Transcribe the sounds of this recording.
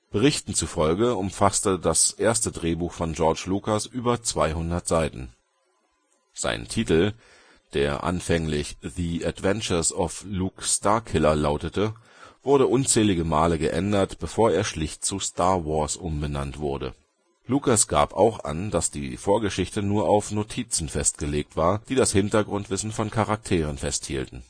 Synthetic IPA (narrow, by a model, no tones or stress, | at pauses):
b̥əʁ̞ɪçtn̩t͡sufɔlɡəʊmfastədasʔeːɐstədʁeːbuːxfɔnd͡ʒɔɐt͡ʃlukasʔyːbɐt͡sv̥aɪɦʊndɐtz̥aɪtn̩ | z̥a̰ɪntʰiːtl̩ | d̥ḛːɐʔa̰nfɛŋlɪçðiatv̥ɛnt͡ʃɐsɔfluːkstaːɐkʰɪlɐlaʊtətə | v̥ʊɐɾəʔʊnt͡sɛːlɪɡəmaːləɡəʔɛndɐtb̥əfoːɐeːɐʃlɪçt̚t͡sustʰaɐvɔɐsʔʊmbənantv̥ʊɐdə̰ | lukasɡ̥a̰ːpa̰ʊxʔa̰nd̥asd̥iːfoːɐɡəʃɪçtənuːɐʔaʊfnotʰiːt͡sn̩fɛst̚ɡ̥əleːk̚tv̥aːɐd̥iːdashɪntɐɡʁʊntv̥ɪsn̩fɔnkʰaʁak̚tʰeːʁ̞ənfɛsthḭːltn̩